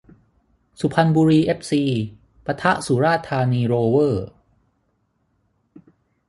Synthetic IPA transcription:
su˨˩pʰa˧nbuː˧ɾiː˧ʔe˦˥p̚siː˧ | pa˧t̪ʰa˦˥ʔsu˩˦ɾaː˥˩t̪ʰːaː˧niː˧ɾoː˧wɤː˥˩

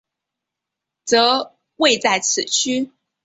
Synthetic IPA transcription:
t͡sɤ˧˥ | we˥˧ɪt͡sa˥˩ɪt͡sʰɹ̩˨˩t͡ɕʰy˥

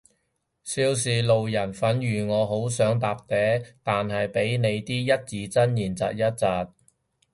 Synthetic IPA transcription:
siː˧ws̬iː˨lo˨wjɐ˨˩nfɐ˨˥njyː˨˩ŋɔː˨˧ɦo˨˥wsœː˨˥ŋt̪aː˨p̚t̪ɛː˨˥t̪aː˨nɦɐ˨jpe˨˥jne˨˧jt̪iː˥jɐ˥t̚t͡siː˨˧t͡sɐ˥njiː˨˩nt͡sɐ̰ː˨t̚jɐ˥t̚t͡saː˨t̚

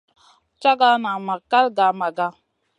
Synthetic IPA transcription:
t͡ʃa˦ɡa˦na˨ma˨ka˦lɡa˨ma˨ɡa˦

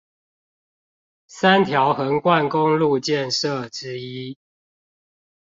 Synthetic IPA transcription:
sa˦nt̪ʰja˨˦ʊxə˨˦ŋkwa˥˨nkʊ˦ŋlu˥˨t͡ɕjɛ˥˨nʂə˥˨ʈ͡ʂɻ̩˦i˦

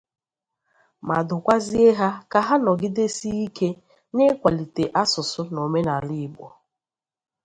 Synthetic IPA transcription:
ma˨dʊ˨kʷa˦zi˦e˦ɦa˦ka˨ɦa˦nɔ˨ɡɪ˦de˦si˦i˦ke˦ | nɪ˦kʷa˨li˨te˨ʔa˦sʊ˨sʊ˦no˨me˦na˨lɪ˦˨bɔ̰˨

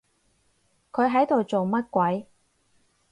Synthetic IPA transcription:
kʰɵ˨˧ɥɦɐ˨˥jt̪o˨wt͡so˨wmɐ˥t̚kʷɐ˨˥j

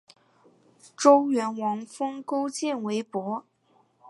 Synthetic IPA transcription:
ʈ͡ʂo˥ʊɥɛ˧˥nwɑ˧˥ŋfɤ˥ŋko˥ʊt͡ɕjɛ˥˩nwe˧˥ɪpwɔ˧˥

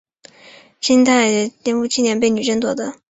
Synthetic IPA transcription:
ɕi˥nt̪ʰa˥˩ɪt̪jɛ˥nfu˥˧t͡ɕʰi˥˧njɛ˧˥np̬e˥˩ɪny˨˩ʈ͡ʂə˥˩nt̪wɔ̰˥˩d̪ə˦

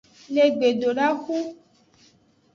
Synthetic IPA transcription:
le˨ɡ͡be˨do˨ɖa˦xu˦

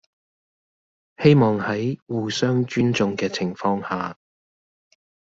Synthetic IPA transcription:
he˥jmɔː˨ŋhɐ˨˥jwuː˨˩sœː˥ŋt͡ʃyː˥nt͡sʊ˨ŋkɛː˧t͡sʰɪ˨˩ŋfɔː˧ŋhaː˨

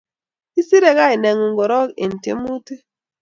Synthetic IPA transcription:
i˦si˦ɾe˦ɣa˦i˨ne˨ŋu˨ŋɡɔ˨ɾɔ˦ke˨n̩˨tḛ˦mu˦te˦

